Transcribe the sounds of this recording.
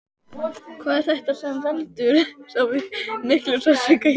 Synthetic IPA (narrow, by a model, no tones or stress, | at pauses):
kʰvaːðɛɾ̥θɛht̪asɛnvɛlt̪ʏɾ̥sawvɪmɪhklʏfasɪka